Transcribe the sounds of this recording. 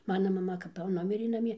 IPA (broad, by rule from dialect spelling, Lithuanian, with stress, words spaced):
ˈmɑːnɐ mɐˈmɐ kɐp jɛʊ ˈnʊmʲɪrʲeː nɐˈmʲiɛ